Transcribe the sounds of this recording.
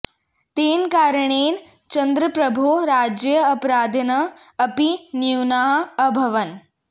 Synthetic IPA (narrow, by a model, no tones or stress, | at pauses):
t̪eːnkaːɾɳeːn | t͡ʃɐnd̪ɾəpɾɐbʱuɾaːd͡ʒjəːpɾaːd̪ʱɐnɐɐpiniwnaɦːbʱɐʋɐn